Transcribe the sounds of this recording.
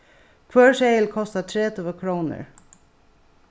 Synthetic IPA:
kʰʋœːɹʃeɪlkʰɔst̪at̪ʰɾeːt̪ʰuːəkʰɾuːnə̰ɹ

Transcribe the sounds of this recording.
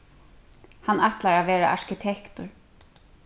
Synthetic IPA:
hanat̪laɾaʋeːɾa̰ʔaɹkɪt̪ʰɛkt̪ʊɹ

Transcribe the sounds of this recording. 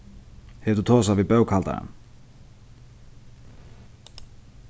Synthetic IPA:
hɛt̪ʏt̪ʰɔːs̬avipœwkʰhalt̪a̰ɪ̰n

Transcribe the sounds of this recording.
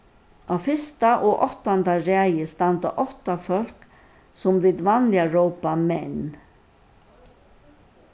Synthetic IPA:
awfɪst̪aʔɔʔɔht̪ant̪aɹaːjəst̪ant̪a̰ʔɔht̪afœl̥k | sʊmvɪːt̪vanlɪaɹɔwpamɛnː

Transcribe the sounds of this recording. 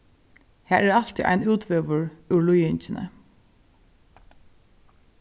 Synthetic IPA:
hæːɾæːɑlt̪ɪ̰ʔæ̰ɪnʉːt̪ʰʋøːʋəɹʉɭʊjʏnçənʔə̰

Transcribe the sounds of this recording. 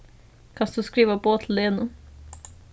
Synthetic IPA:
kʰɑnsd̪̥ʉskɾiːʋəboːt̪ʰl̩d̪ɛnʊ

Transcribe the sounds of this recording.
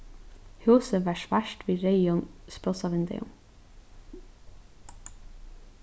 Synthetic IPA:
hʉːsəʋæːʃʋæʃʈʋiːɾeɪɔnspɾɔsɑʋɪnd̪ɛ̰ʊ̰m

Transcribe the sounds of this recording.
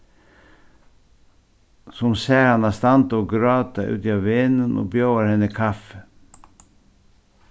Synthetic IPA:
sɔmsæːɾɑnɑst̪ɑnt̪oːɡɾɑːt̪ɑʔʉ̰ːt̪iɑːʋenənʔo̰ːbjoːəɾhɛnəkʰɑfə̥

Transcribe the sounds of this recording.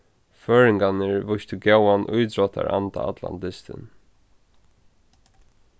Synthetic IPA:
føːɹɪŋkanɪɹvʊst̪ɪɡjɛwanʔʊjt̪ɾɔt̪ʰa̰ɹa̰nt̪aa̰t̪la̰nt̪ɪst̪ɪ̰n

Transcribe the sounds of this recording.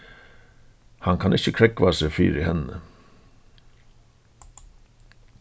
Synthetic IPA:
hɑŋkʰɑnʔɪçəkʰɾɛkʋɑːsefy̰ːɾihɛnə̰

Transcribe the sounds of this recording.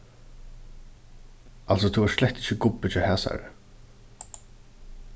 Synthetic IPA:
als̬ɔt̪ʰuvaɾ̥slɛçt̪ɪçɪkʊpːɪt͡ʃahɛːsa̰ɾɪ̰

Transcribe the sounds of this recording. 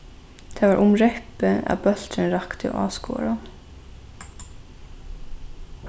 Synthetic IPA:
d̪̥ʰeːʋɑːʔʊmɾɛpəɑ̰bœl̥t̪ɾənɾɑkt̪ʰəo̰ːʔɑ̰ːsko̰ːɹa

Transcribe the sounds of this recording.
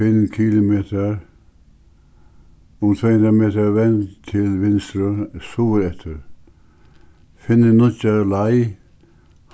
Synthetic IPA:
ɪnkʰiːlɪmeːt̪aɾ | ʊmt̪ʰvɛːhʊnd̪ɾameːt̪aɾʋɛnt̪ʰɪlʋɪnst̪ɾʊsuːɾɛht̪ʰɪɾ | fɪnːɪnʊt͡ʃalaj | h

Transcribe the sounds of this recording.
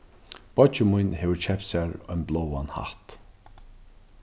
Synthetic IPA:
b̥ɔt͡ʃəmujnheːvəɹt͡ʃʰɛpsæɹɔ̰jnblowanha̰ht̪

